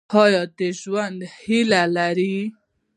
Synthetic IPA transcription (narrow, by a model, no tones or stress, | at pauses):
ɑjɑd̪eʒwand̪hilalaɾi